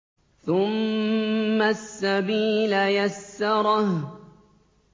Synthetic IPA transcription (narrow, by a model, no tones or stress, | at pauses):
θʊmː | asːabiːlajasːɑɾˤɑh